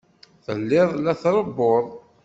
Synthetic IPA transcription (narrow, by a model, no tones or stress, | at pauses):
θə̰lːɪðˤlæθɾˤəbːoðˤ